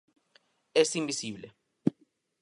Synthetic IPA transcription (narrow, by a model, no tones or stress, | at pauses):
esimbisiːblɛ